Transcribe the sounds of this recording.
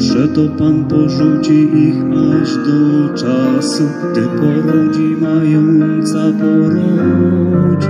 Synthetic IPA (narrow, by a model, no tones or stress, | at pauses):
ʐɛt̪ɔpanpɔʐut͡ɕimixaʐd̪ɔt͡ʂasuɡd̪ɪpɔɾɔd͡ʑimajɔnnnt̪sabɔɾu | t͡ɕ